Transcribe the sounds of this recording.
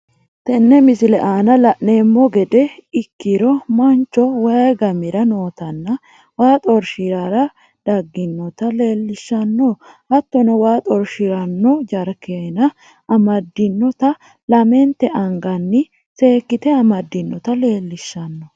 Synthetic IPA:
t̪ɛnːɛmɪsɪlɛʔaːnɐlɐʔneːmːɔɡɛd̪ɛɪkːɪɾɔmɐnt͡ʃːɔwɐɡɐmɪɾɐno̞ːt̪ɐnːɐ | waːt̪ʼɔɾʃɪɾaɾɐ | d̪̥ɐɡːɪnːɔt̪ɐle̞ːlːɪʃːɐnːɔhɐt̪ːɔnɛwaːt̪ʼɔɾʃɪɾɐnːɔd͡ʒɐɾkenɐ | ɐmɐd̪ːɪnːɔt̪ɐ | lɐmɛnt̪ːɛʔɐŋɡɐnːɪ | se̞ːkːɪt̪ɛɐmɐd̪ːɪnːɔt̪ɐle̞ːlːɪʃːɐnːɔ

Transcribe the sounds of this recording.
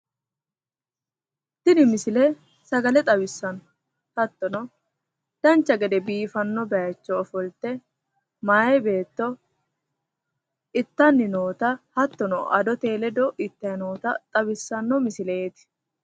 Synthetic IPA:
d̪̥ɪnɪmɪsɪlɛ | sɐɡɐlɛt̪ʼɐbɪsːɐn | hɐt̪ːɔnɔ | d̪̥ɐnt͡ʃːɐɡɛd̪ɛbiːfɐnːɔbɛjɐt͡ʃːɔːfɔlt̪ːɛ | maːjɛbe̞ːt̪ːɔ | ɪt̪ːɐnːɪnoːt̪ɐhɐt̪ːɔnɔ̰ʔɐd̪ɔt̪e̞ːlɛd̪ɔʔɪt̪ːɐjɐnoːt̪ɐt̪ʼɐbɪsːɐnːɔmɪsɪleet̪ɪ̥

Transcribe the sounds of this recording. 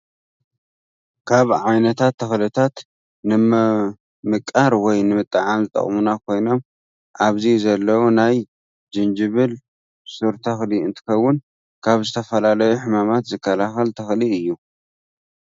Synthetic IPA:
kʰaβʕajnɐt̪ʰat̪ʰːɐxlɨt̪ʰat̪ | nɨm | mɨkʼːaɾwɔjnɨmɨt̪ʼːɐʕamzɨt̪ʼɐ̰χʼmunakʰo̞jno̞m | ʔaβzizɐlːɐwunaj | d͡ʒɨnd͡ʒɨβɨl | sɨɾt̪ʰɐxliɨnt̪ʰɨ̥xɐwːʊn | kʰaβzɨt̪ʰɐfɐlalɐjuħɨmamat̪zɨkʰːɐlaxɐlt̪ʰɐxliɨjːu

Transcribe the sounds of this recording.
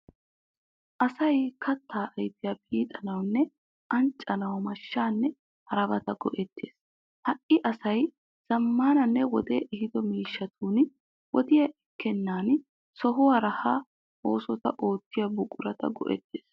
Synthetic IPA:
ʔɐsɐjkʰɐt̪ːaːʔɐjt̪ɪjɐpiːt̪ʼɐnɐwnːɛ | ʔɐnt͡ʃʼːɐnɐwmɐʃːaːnːɛ | hɐɾɐbɐt̪ɐɡɔ̰ʔɛt̪ːeːs | hɐʔɪʔɐsɐj | z̥ɐmːaːnɐnːɛwɔd̪eːʔɛhɪd̪ɔmiːʃːɐt̪ʰuːn | wɔd̪ɪjɐʔɪkːɛnːaːn | sɔɦʊwɐɾɐhaː | o̞ːsɔt̪ɐ̰ʔo̞ːt̪ːɪjɐbʊkʼʊɾɐt̪ɐ̰ɡɔ̰ʔɛ̰t̪ːeːs

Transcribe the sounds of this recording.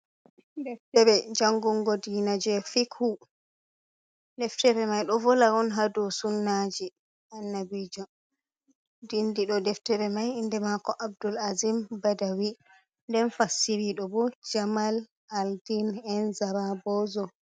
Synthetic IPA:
dɛftɛbɛd͡ʒaŋɡuŋɡɔdinad͡ʒɛfikhu | dɛftɛbɛmajɗɔvɔlaɾɔnɦadɔsunːad͡ʒi | ʔanːabid͡ʒɔ | dindiɗɔdɛftɛbɛmajindɛmakɔʔabdulazimbadawi | ndɛnfasːiɾiɗɔbɔd͡ʒamal | aldinɛnzaɾabɔzɔ

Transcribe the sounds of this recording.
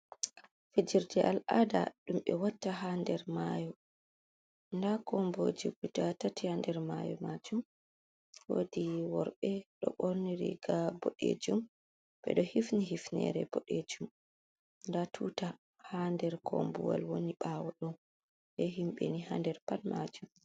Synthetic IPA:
fed͡ʒiɾdɛʔalada̰ɗumɓɛwatːaɦandɛɾmajɔ | ndakɔmbod͡ʒiɡudatatihandɛɾmajɔ̰mad͡ʒum | wodiwɔɾɓɛɗɔ̰ɓoɾniɾḭɡabɔɗḛd͡ʒum | b̥ɛ̰ɗɔhifniɦifnɛ̰ɾɛbɔɗed͡ʒum | ndatʰuːta | handɛɾkʰɔ̰mbṵwa̰lwoniɓawɔɗɔn | ɓɛɦimɓɛniɦandɛɾpalmad͡ʒum

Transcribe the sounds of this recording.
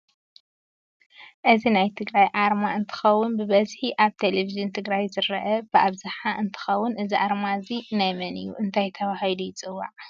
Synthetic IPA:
ʔɨzinajt̪ʰɨɡɾajʔaɾmaɨnt̪ʰɨ̥xɐwːʊnbɨβɐzħiʔaβt̪ʰelevizɨnt̪ʰɨɡɾajzɨɾɐʔɐbɨʔaβzaħaʔɨnt̪ʰɨ̥xɐwːʊnʔɨziʔaɾmaɨzinajmɐnɨ̰jːṵʔɨnt̪ʰajt̪ʰɐwahjlujɪt͡sʼɨwːa̰ʕ

